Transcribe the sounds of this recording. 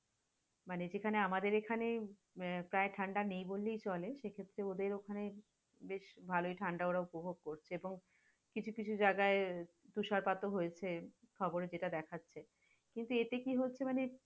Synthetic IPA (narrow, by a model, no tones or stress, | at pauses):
maned͡ʑekʰaneamad̪eɾekʰane | pɾaeʈʰaɳɖanejbolːejt͡ɕɔleʃekʰet̪ːɾeod̪eɾokʰane | beʃbʱaloiʈʰaɳɖaoɽaupobʱoɡ̚koɾt͡ɕʰeeboŋ | kit͡ɕʰukit͡ɕʰud͡ʑaɡae | t̪uʃaɾpat̪oɦojet͡ɕʰe | kʰɔboɾed͡ʑeʈad̪ɛkʰatːɕʰe | kint̪uet̪ekiɦotːɕʰemane